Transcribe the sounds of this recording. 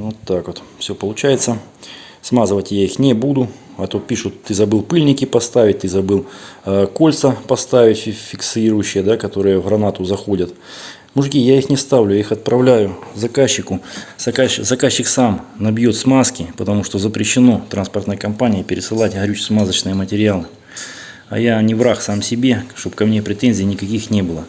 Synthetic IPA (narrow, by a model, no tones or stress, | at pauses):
vot̪ːakvot̪fsʲopəlˠʊt͡ɕæjɪt̪sə | smazɨvətʲjaixnʲɪbud̪ʊ | ɐt̪opʲiʂʊt̪ːɨzɐbɨlˠpɨlʲnʲɪkʲɪpɐst̪avʲɪt̚ʲt̪ɨzɐbɨlˠkolʲt̪səpɐst̪avʲɪtʲfʲɪfʲɪksiɾʊjʉɕːɪjəd̪akɐt̪o̞ɾɨjəvɣɾɐnat̪ʊzɐxo̞dʲət̪ | mʊʐɡʲijaixnʲɪst̪avlʲʊjaixɐt̪̚pɾɐvlʲæjʊzɐkaɕːɪkʊsɐkazɐkaɕːɪksamnɐbjo̞t̪smaskʲɪpət̪ɐmuʂt̪ozəpɾʲɪɕːɪno̞t̪ɾanspərt̪nəjəkɐmpanʲɪjəpʲɪɾʲɪsɨlˠatʲɦɾʲut͡ɕsmazət͡ɕnɨjəmətʲɪɾʲɪalˠɨ | ɐ̰janʲɪvɾaxsamsʲɪbʲe̞ʂt̪o̞pkɐmnʲepɾʲɪt̪enzʲɪːnʲɪkɐkʲixnʲebɨlˠə